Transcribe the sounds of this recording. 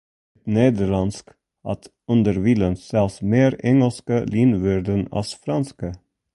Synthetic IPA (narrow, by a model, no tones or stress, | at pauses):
t̪neːd̪əɭɑnsk | ʔɑ̰t̪ | ʉnd̪əɾʋiːlənsɛlsmeːɾɛŋəlskəliːnʋʏɾd̪ənɑ̰sfɾɑnskə